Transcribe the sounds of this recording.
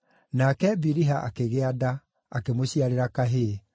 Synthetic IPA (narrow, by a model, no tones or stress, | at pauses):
nakɛbiɾiɦaʔa̰keɣeada | akemoɕiaɾeɾakaɦe